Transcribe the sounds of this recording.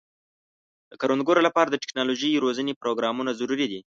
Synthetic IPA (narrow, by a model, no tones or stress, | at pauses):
d̪̥əkaɾonɡoɾolapɑɾad̪əʈɪ̥knɑloʒəjɾozənepɾoɡɾɑmunazaɾuɾid̪i